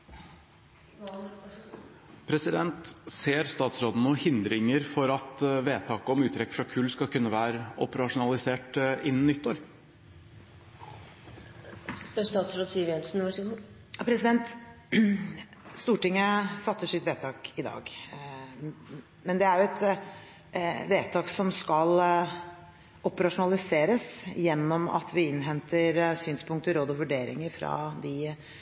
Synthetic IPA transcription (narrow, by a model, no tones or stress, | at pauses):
pʰɾɛsɪd̪ɛnt̪seːɾst̪ɑːt̪sɾoːd̪ənʊhɪnd̪ɾɪŋəɾfɔɾɑt̪ʋeːt̪ʰɑːkəɔmʉːt̪ʰɾɛkːfɾɑkʰʉlskɑlkʰʉnːəʋæːɾəɔ̰pəɾɑʂʊnɑlˠɪseːʈɪnːn̩ːʏt̪ːoːɾ | st̪ɑːt̪sɾoːd̪siʋɛnsnʋɑʂɛ | pʰɾɛsɪd̪ɛnt̪ | st̪uːʈɪŋːəfɑt̪ːəʂɪt̪ʋeːt̪ʰɑːkɪd̪ɑ̰ːɡ | mɛnd̪ɛæɾjʊɛt̪ | ʋeːt̪ʰɑːksɔmskɑl | ɔpəɾɑʂʊnɑlɪseːɾəsjɛnːɔmɑ̰t̪ʰʋɪɪnːɦɛnt̪ʰəɾsyːnspʰʊŋkt̪əɾoːd̪ɔʋʉɖeːɾɪ̰ŋəɾfɾɑ̰d̪ɪ